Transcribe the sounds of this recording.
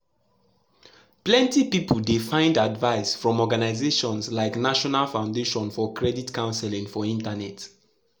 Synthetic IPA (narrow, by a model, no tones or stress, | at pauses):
plɛ̃ntipipuldefãɪ̃ndadvaɪsfɹɔ̃mɔɡanaɪzeʃɔ̃nslaɪknaʃɔnalfãʊ̃ndeʃɔ̃nfɔkʰɹɛditkãʊ̃nsɛlĩŋfɔĩntanɛt